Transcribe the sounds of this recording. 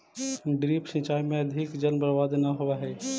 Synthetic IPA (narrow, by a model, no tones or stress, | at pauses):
ɖɾiːpʃĩt͡ʃaːimẽɐd̪ʱɪkd͡ʒəlmbəɾʋaːd̪naɦoʋaɦɛː